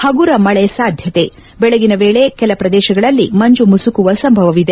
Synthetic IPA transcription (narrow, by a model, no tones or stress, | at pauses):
hɐɡuɾɐmɐɭɛsaːd̪ʱjɐt̪e̞ | bɛɭeɡinɐʋeːɭe̞kɛlɐpɾɐd̪ɛːʃɐɡɐɭɐlːimɐɲd͡ʒumusukuʋɐsɐmbʱɐʋɐʋid̪e